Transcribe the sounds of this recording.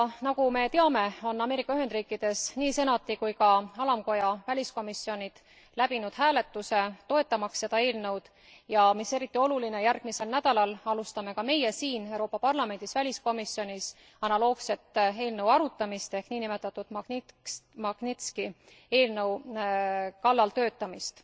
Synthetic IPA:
nɑɡ̥ume̞t̪eɑme̞o̞nːɑme̞ɾikːˑɑyɦe̞nd̪riːkːˑid̪̥e̞sniːse̞nɑt̪ːˑikujkɑɑlɑmko̞jɑvælʲisko̞misːio̞nʲid̪̥ | læb̥inud̪̥hæːle̞t̪ˑːuse̞t̪o̞e̞t̪ːˑɑmɑksːe̞d̪̥ɑe̞ːlnɤ̞wd̪̥ | jɑmise̞ɾit̪ːˑio̞luline̞jærɡ̥mise̞lnæd̪̥ɑlɑlɑlust̪ɑme̞kɑme̞jesiːnewɾo̞ːpːɑpɑrlɑme̞nd̪̥isvælʲisko̞misio̞nis | ɑnɑlo̞ːɡse̞t̪ːe̞ːlnəwɑɾut̪ːˑɑmist̪e̞hkniːnime̞t̪ːˑɑt̪ːˑud̪̥mɑ | mɑɡ̥nit̪ski | e̞ːlnɤw | kɑlːɑlt̪ø̞ːt̪ːˑɑmist̪

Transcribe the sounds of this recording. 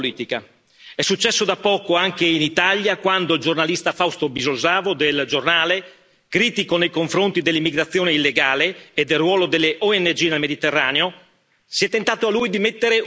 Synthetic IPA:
liːt̪ika | ɛsːut͡ʃːɛsːod̪apːɔːkoaŋkeinit̪aʎjakwand̪oild͡ʒornalist̪afawst̪obizolzaːvod̪eld͡ʒornaːle | kɾiːt̪ikonejkoɱfɾont̪id̪elːimːiɡɾat̪sːjoːneilːeɡaːleːd̪ːelrwɔːlod̪elːeʔɔɛnːed͡ʒiːnelmed̪it̪erːaːneo | siɛt̪ːent̪aːt̪oalːujd̪imet̪ːeɾe

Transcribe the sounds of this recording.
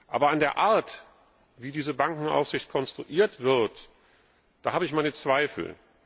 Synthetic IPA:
ʔa̰ːbɐandeːɐʔaːɐt | viːdiːzəbaŋkŋ̩ʔa̰ʊfz̥ɪçt̚kʰɔnstʁ̥ṵʔiːɐtv̥ɪɐt | d̥aːhaːbəɪçmaɪnət͡sv̥aɪfl̩

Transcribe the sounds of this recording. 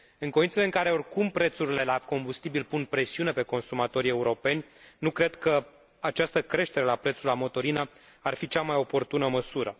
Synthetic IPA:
ɨŋkoint̪sele̞ɨŋkaɾe̞o̞rkumpɾe̞t̪suɾile̞lako̞mbust̪ibilpunpɾe̞siune̞pe̞ko̞nsumat̪o̞ɾie̞uɾo̞pe̞nʲnukɾe̞d̪kə | at͡ʃast̪əkɾe̞ʃt̪e̞ɾe̞lapɾe̞t̪sulamo̞t̪o̞ɾinə | arfit͡ʃamajo̞po̞rt̪unəməsuɾə

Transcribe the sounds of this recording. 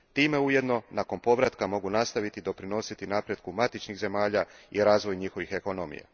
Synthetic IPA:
t̪iːme̞uje̞d̪no̞nako̞npo̞ʋɾat̪kamo̞ɡunast̪aʋit̪id̪o̞pɾino̞sit̪inapɾje̞d̪kumat̪it͡ʃniɣze̞maːʎaiɾaːzʋo̞jɲixo̞ʋixe̞ko̞no̞mḭja̰

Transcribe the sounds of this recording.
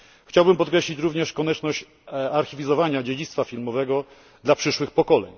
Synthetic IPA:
xt͡ɕawbɘmpɔt̪̚kɾɛɕlʲit͡ɕɾuvɲɛʂkɔɲɛt͡ʂnɔɕt͡ɕ | aɾxʲivʲizɔvaɲad͡ʑed͡ʑit̪st̪fafʲilmɔvɛɡɔ | d̪lapʂɘʂwɘxpɔkɔlɛ̰ɲ

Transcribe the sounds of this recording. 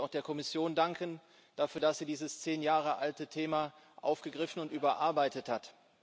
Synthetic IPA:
aʊxd̥eːɐkʰɔmɪsjoːndaŋkən | d̥afyːɐdasz̥iːdiːzəst͡seːnjaːʁəʔaltətʰeːma | ʔa̰ʊfɡ̥əɡʁɪfn̩ʊntʔyːbɐʔaɐbaɪtəthat

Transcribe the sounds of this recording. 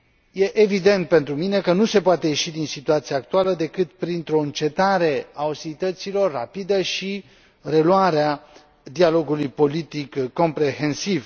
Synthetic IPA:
je̞ʔevid̪e̞nt̪̚pe̞nt̪ɾumine̞kənuse̞poat̪e̞je̞ʃid̪insit̪uat̪siaːk̚t̪ualəd̪e̞kɨt̪pɾint̪ɾo̞ɨnt͡ʃe̞t̪aɾe̞aust̪ilit̪ət̪silo̞rːapid̪əʃi | re̞luaɾea | d̪ialo̞ɡulujpo̞lit̪ikːo̞mpɾeɦe̞nsiv

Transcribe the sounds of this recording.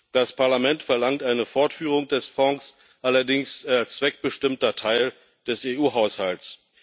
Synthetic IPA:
d̥aspʰaɐlamɛntfɛɐlaŋtʔaɪnəfɔɐtfyːʁ̞ʊŋdɛsfɔŋs | ʔalɐdɪŋst͡sv̥ɛk̚b̥əʃtɪmtɐtʰaɪl | d̥ɛseʔuːɦaʊshalts

